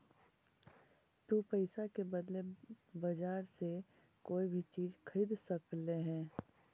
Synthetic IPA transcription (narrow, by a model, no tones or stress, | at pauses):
t̪uːpəɪsakebəd̪le | bɐd͡ʒaːɾse | koːibʱit͡ʃiːzkʰəɾiːd̪səkleɦɛː